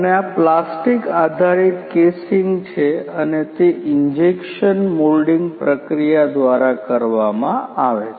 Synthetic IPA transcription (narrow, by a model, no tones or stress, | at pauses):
əneaplasʈikad̪ʱaɾit̪kesiŋɡt͡ʃʰeənet̪eʔiɲd͡ʒekʃənmolɖiŋɡpɾəkɾijad̪ʋaɾakəɾʋamãaʋe